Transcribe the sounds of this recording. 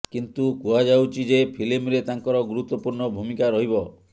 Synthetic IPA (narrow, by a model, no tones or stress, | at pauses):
kint̪ukuad͡ʒawt͡ʃʰid͡ʒepʰilimɾet̪aŋkɔɾɔɡuɾut̪ːɔpuɾɳɔbʱumikaɾɔɦibɔ